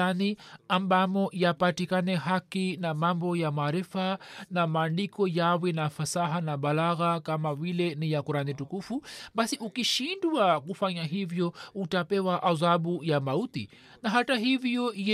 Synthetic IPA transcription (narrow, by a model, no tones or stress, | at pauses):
aniambamɔjapatikanɛɦakinamambɔjamaːɾifanamaːndikɔjawɛnafasaɦanaɓalaɣakamavilɛnijakuɾanitukufuɓasiʔukiʃindwakufaɲaɦivjɔutapɛwaʔazaɓujamautḭ | naɦataɦivjɔjɛ